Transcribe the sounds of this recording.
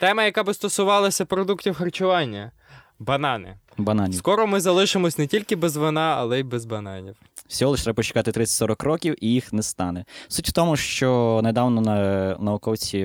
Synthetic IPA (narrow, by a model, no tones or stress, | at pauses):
t̪ɛmɐjɐkɑbɪst̪ɔsʊʋɑlˠɐsʲɐpɾɔd̪uktʲiwxɐrt͡ʃʊʋɑnʲːɐ | bɐnɑnɪ̰ | bɐnɑnʲskɔɾɔmɪzɐlˠɪʃɪmɔsʲnɛtʲilʲkɪbɛzʋɔnɑɐlˠɛibɛzbɐnɑnʲiw | sʲɔɔlˠɛʃt̪ɾɛbɐpɔt͡ʃɪ̥kɑt̪ɪt̪ɾɪt͡sʲsʲɐtʲsɔɾɔkɾɔkʲiwʔijixnɛst̪ɑnɛsutʲwt̪ɔmʊʃt͡ʃɔned̪ɑwnɔnɐnɐʊkɔwt͡sʲi